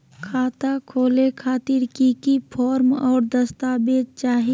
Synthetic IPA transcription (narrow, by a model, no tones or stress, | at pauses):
kʰaːt̪akʰoːlekʰaːt̪iɾkikipʰɔːɾmɔːɾd̪əst̪aːbeːd͡ʒ̚t͡ʃaːɦi